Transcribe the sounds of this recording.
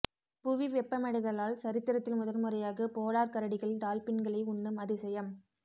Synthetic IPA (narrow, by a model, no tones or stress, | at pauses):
pʊʋiʋɛpːɐmɐɽɪðɐlaːlsɐɾɪt̪ːɪɾɐt̪ːɪlmʊðɐlmʊrɐjaːɣɐpoːlaːɾkɐɾɐɽɪɣɐɭɖ̪aːlpɪnɡɐɭɐɪʊɳːɯmɐðɯsɛjɐm